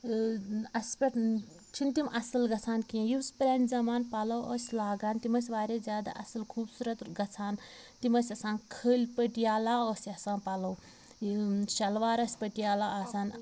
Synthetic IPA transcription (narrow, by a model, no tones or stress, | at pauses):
ɐsʲpɐʈ | t͡ʃʰint̪imʔɐsɐlɡɐt͡sʰaːnkiẽjispɾʲanʲzɐmaːnpalɐwɐːsʲlaːɡaːnt̪imɐsʲʋaːɾezʲjaːd̪a̰ʔɐsɐlkʰuːbsuɾɐt̪ɡɐt͡sʰaːnt̪imɐsʲɐsãːnkʰəːlʲpəʈijaːlaːəːsʲɐsaːnpɐlɐw | ʃɐlʋaːɾɐsʲpəʈijaːlaasaːn